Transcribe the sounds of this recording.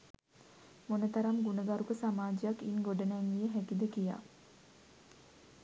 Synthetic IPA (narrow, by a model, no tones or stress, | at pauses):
monət̪aɾamɡunəɡaɾukəsamaːd͡ʒijakːinɡoɖənɛŋɡijəɦækid̪əkija̰ː